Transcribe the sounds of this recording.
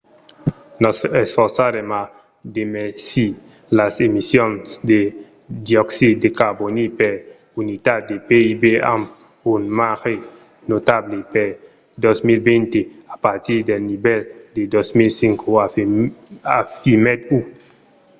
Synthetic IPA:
nɔsesfɔɾsaɾema | d̪emesi | lasemisjonsd̪e | d̪jɔksid̪ekaɾbonipeɾ | unit̪at̪̚d̪epeibea̰m | unmaxe | not̪ablepeɾ | d̪osmilbent̪eapaɾt̪iɾd̪elnibɛld̪ed̪osmilsiŋkʰo | afimet̪̚u

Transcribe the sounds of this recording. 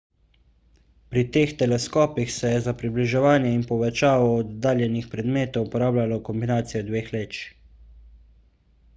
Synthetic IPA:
pɾit̪eːxt̪ɛlɛskɔːpixsɛjɛzapɾibliʒɛʋaːnjɛinpɔʋɛt͡ʃaːʋɔːd̪ːaːljɛnixpɾɛd̪meːt̪ɔwpɔɾaːblʲjalɔkɔmbinaːt̪sijɔd̪ʋeːxleːt͡ʃ

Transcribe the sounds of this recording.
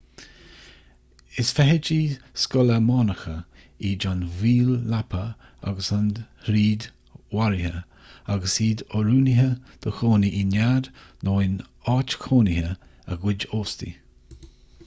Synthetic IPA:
ɪsfɛɦɪd͡ʒiskɔləmɑːnəxə | id͡ʒanviːlːapʰə | a̰ɡəsanhɾiːd̪ | waɾihə | aɡəsiːd̪ɔɾuːnɪɦəd̪̥əxoːniʔinad̪noːɪn | ɑːt͡ʃkʰoːnihəə̰ɡwɪd͡ʒoːst̪ḭ

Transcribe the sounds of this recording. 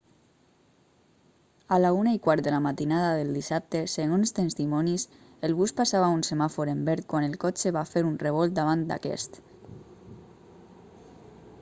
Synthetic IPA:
alaunaikwaɾt̪ðəlamat̪inaðaðelˠd̪isap̚t̪eseɣonst̪ənst̪imɔnis | elβuspasaβaunsemafoɾembɛɾt̪̚kwanelˠkɔt͡ʃeβafeɾunreβ̞ɔlˠt̪̚d̪aβ̞ant̪d̪a̰kɛ̰st̪

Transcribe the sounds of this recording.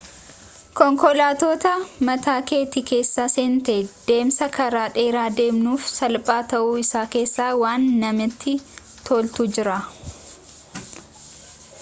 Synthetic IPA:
kɔŋkɔlaːt̪oːt̪ɐmɐt̪aːke̞ːt̪iːke̞ːsːaːseːnt̪ɐd̪̥e̞ːmsɐkʰɐɾaːᶑe̞ːɾaːd̪e̞ːmnuːfsɐlpʼaːt̪ɐʔuːɪsaːke̞ːsːaːwaːnːɐmɪt̪ːɪ | t̪ʰoːlt̪ud͡ʒɪɾa

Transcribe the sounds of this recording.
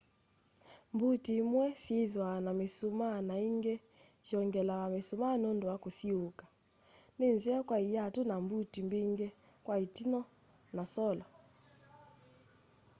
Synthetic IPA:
mbutimwɛseðwanamesumanaiŋɡɛ | ʃiɔŋɡɛlawamesumanondowakosiokḁ | nenziakwaijatunambutimbiŋɡɛ | kwaitinɔ | nasɔla

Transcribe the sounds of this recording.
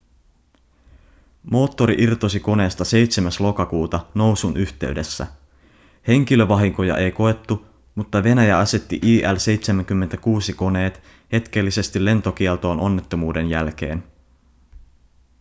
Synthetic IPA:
mo̞ːt̪ːo̞ɾiʔirt̪osiko̞ne̞ːst̪ɑse̞jt̪semæslo̞kɑkuːt̪ɑno̞wsunʔyht̪e̞ɥde̞sːæ̰ | he̞ŋk̟ilø̞ʋɑɦiŋko̞jɑ̰ʔe̞jko̞e̞t̪ːu | mut̪ːɑʋe̞næjæɑse̞t̪ːiʔiːʔælse̞jt̪semæŋk̟ymːet̪ækuːsiko̞ne̞ːt̪ | he̞t̪k̟e̞lːise̞st̪ilːe̞nt̪o̞k̟ielt̪o̞ːno̞nːe̞t̪ːo̞muːde̞njælk̟e̞̰ːn

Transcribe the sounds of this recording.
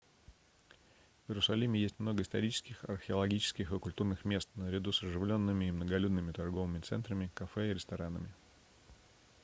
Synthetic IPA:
vjɪɾʊsɐlʲimʲɪjesʲtʲmno̞ɡəɪst̪ɐɾʲit͡ɕɪ̥skʲɪxɐ̰rxʲɪɐlˠɐɡʲit͡ɕɪ̥skʲɪxɪkʊlʲt̪urnɨxmʲe̞st̪nəɾʲɪd̪usɐʐɨvlʲo̞nːɨmʲɪːmnəɡɐlʲud̪nɨmʲɪt̪ɐrɡo̞vɨmʲɪt̪sɛ̰nt̪ɾəmʲɪkɐfɛɪɾʲɪst̪ɐɾanə̰mʲɪ

